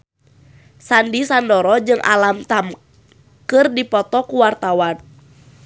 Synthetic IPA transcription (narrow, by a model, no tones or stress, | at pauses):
sandisandɔɾɔd͡ʒɨŋʔa̰lamt̪am | kɨrdipɔt̪ɔkuwart̪awan